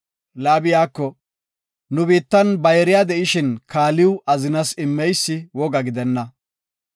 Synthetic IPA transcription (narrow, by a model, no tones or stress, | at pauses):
laːbɪjaːkːɔ | nʊbiːt̪ːɐnbɐjɛɾɪjaːd̪ɛʔɪʃɪnkaːlɪwʊʔɐzɪnɐsɪmːɛjsːɪwɔɡɐɡɪd̪ɛnːɐ